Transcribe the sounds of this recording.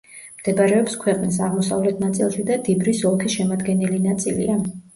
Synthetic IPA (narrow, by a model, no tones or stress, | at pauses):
md̪̥ɛbaɾɛɔpskʰwɛqʼnis̬aʁmɔsa̰vlɛt̪ʰnat̪sʼilˠʃid̪ad̪ibɾisɔlˠkʰisʃɛmad̪ɡɛnilinat̪sʼḭlḭa